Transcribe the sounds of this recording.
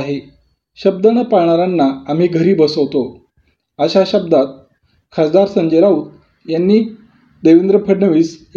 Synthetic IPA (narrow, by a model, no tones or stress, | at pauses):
ɦe | ɕəb̚d̪ənəpaɳaɾanːaːm̤iːɡʱəɾiːbəsəʋt̪o | əɕaɕəb̚d̪at̪̚ | kʰasd̪aɾsəɲd͡ʑeɾauːt̪̚ | janːiː | d̪eʋind̪ɾəpʰəɽɳəʋiːs